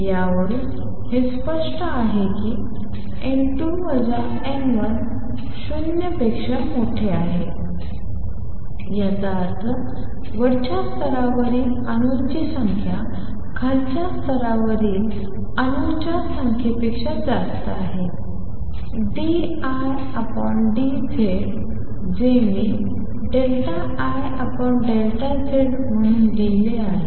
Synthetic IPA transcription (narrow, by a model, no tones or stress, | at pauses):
jaʋəɽi | hespəʂʈəaɦekiː | eɳʈuʋəd͡za | enʋən | ɕunjəpekʂəmoʈʰeaɦe | jat͡saːɾt̪ʰə | ʋəɽt͡ɕast̪ʰəɾaʋəɾiːl | ənuɾt͡ɕisəŋkʰja | kʰaɾt͡ɕjast̪ʰəɾaʋəɾiːl | ənuɾt͡ɕasəŋkʰepikʂəd͡zast̪əaɦe | ɖi | aj | apəɳɖi | d͡zeɽ | d͡ʑeʋiː | ɖelʈaʔːj | əpəɳɖeɭlʈat͡seɽ | m̤əɽ̃und̪ileaɦe